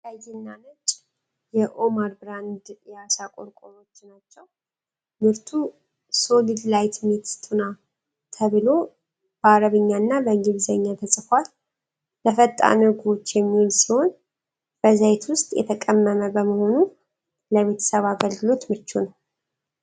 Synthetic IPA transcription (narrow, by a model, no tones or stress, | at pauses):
ajinːamət͡ʃʼ | jɛʔomaɾbɾand̪jɛasakʼoɾkʼoɾo̞t͡ʃːnat͡ʃːɛw | mɨɾt̪ʰu | so̞lɨdlajt̪met̪t̪ʰuna | t̪ʰəβɨlo̞ | b̥əaɾəβɨɲːanːabəɡiβzəɲːat̪ʰəsʼɨfʷal | ləfət̪ʼːa̰nɨɡo̞t͡ʃːjɛmːiolsiho̞n | b̥əzajt̪wʊst̪ʼjʔɛ̰t̪ʰəkʼəmːəməbəməho̞nu | ləβe̞t̪ʰə̥səβaɡəlɡɨlo̞t̪mɨt͡ʃːunəw